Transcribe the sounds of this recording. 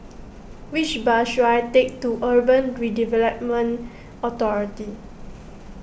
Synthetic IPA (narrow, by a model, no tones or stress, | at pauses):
wit͡ʃbaʃuajtek̚tuʔəbə̃nɹidivɛləp̚mə̃n | ɔt̪ɔɹiti